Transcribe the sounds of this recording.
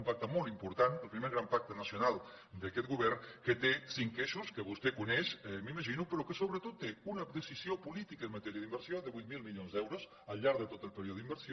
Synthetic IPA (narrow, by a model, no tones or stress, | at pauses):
mpak̚t̪əmolˠt̪impuɾt̪anəlˠpɾimeɾɣɾampak̚t̪ənəsjunalˠ | d̪əkɛt̪̚ɡuβɛrnkət̪esiŋkeʃuskəβust̪ekunɛʃmiməʒinupəɾokəsoβɾət̪ot̪ːeunəd̪əsisiopulit̪ikəenmət̪ɛɾiəðimbəɾsjoðəβujt̪̚milˠmilʎonzd̪ɛwɾos | əlʎːaɾðət̪ot̪əlˠpeɾioðimbəɾsjo